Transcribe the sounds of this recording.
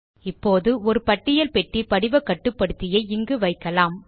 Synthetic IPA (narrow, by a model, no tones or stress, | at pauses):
ɪpːoːðɯɔɾɯpɐʈːɪjɐlpɛʈːipɐɽɪʋɐkːɐʈːɯpːɐɽɯt̪ːɪjɐɪɪŋɡɯʋɐɪkːɐlaːm